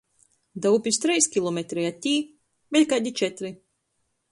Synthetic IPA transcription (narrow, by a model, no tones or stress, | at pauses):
d̪awpʲist̪ɾijskʲilˠɔmet̪ɾiat̪ʲːiː | bɛtʲkaɟ̪ʲit͡ʃɛt̪ɾi